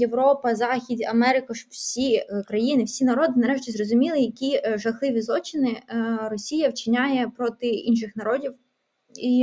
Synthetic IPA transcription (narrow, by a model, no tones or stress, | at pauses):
jeʋɾɔpɐzɑxʲid̪ʲɐ̰mɛɾɪkʊʃɔwsʲikɾɐjinɪwsʲinɐɾɔd̪ɪnɐɾɛʃ̬tʲizrɔzʊmʲilˠɪjɐkʲiʒɐxlˠɪʋʲizlˠɔt͡ʃɪnɪrɔsʲijɐwt͡ʃɪnʲajɛpɾɔt̪ɪinʃ̬ɪxnɐɾɔdʲiw | i